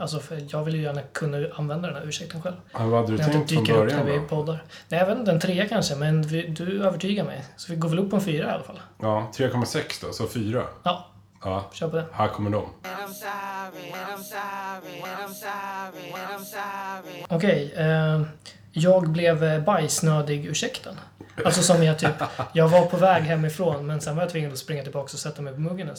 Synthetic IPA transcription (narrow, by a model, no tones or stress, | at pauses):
als̬ɔfjɑːɡvɪljəjæːɳakʰɵnːaanvɛnd̪ad̪ɛnæːɾʉːʂɛk̚t̪ənɧɛlvhhʉhad̪ːəd̪ɵɛt̪ːt̪d̪yːɔmkaɾɾɵɾjadnævɪpʰɔd̪ːaɾnɛːjavet̪ɪnt̪ɛnt̪ʰɾeːakʰanʂəmɛnvɪd̪ɵøːvəʈʰyːɡaɾmɛ̰jsɔvɪɡoːvɛlɵpːɔɛnfyːɾaɪa̰lafa̰lːɑːt̪ʰɾeːkʰɔmːasɛksd̪ɔ̰sɔfyːɾa̰jɑː | ɕœːɾpʰɔd̪ɛhækʰɔmːəɖɔ̰m | ɔkʰɛj | jɑːɡblɛvbajsnøːd̪ɪɡʉʂɛkt̪ʰənalt̪sɔsɔmjɑt̪ʰyːpjɑːɡvaɾpʰɔvɛːɡɦɛmːɪfɾoːnmɛnsɛnvaɾjat̪vɪŋːad̪ɔspɾɪŋːat̪ʰɪlbɑːksɔsɛt̪ːamɛjpʰɔmɵɡːənə